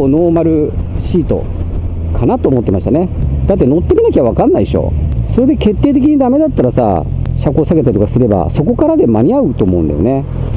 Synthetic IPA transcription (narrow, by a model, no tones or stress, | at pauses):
ono̞ːmaɾɯ̟ɕiːt̪o̞̰ | kʰanat̪o̞ːmo̞t̪ːemaɕi̥t̪aned̪at̪ːe̞no̞t̪ːe̞mʲinakʲaβaβ̞akãnːaiɕo̞̰so̞ɾe̞d̪e̞ke̞t̪ːe̞ːt̪e̞k̬ʲiɲ̟id̪ame̞d̪at̪ːaɾasa̰ | ɕakɯoːsaɡe̞t̪aɾit̪okasɨɾe̞ba̰so̞ko̞kaɾad̪e̞maɲ̟iaɯ̟t̪o̞ːmo̞ɯ̟̃nd̪ejone̞